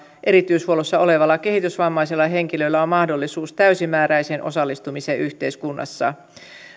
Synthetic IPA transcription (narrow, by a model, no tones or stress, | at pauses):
ʔe̞ɾit̪yishuolosːɑo̞le̞ʋɑlːɑke̞hit̪ysʋɑmːɑjsilːɑɦe̞ŋkilø̞ilːæo̞mmɑhdo̞lːisuːst̪æysimːæːɾæjsenʔo̞̰sɑlːist̪umiseʔyht̪e̞iskunːɑ̰sːɑ̰